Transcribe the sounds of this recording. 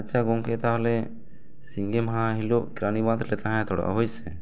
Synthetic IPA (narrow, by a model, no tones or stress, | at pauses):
t͡ʃaɡɔŋkɛt̪aɦɔlɛ | siŋɡɛmɦãɦiloʔkɾanibad̪ɾlɛt̪aɦãt̪ʰɔɽa̰ʔɦujsɛ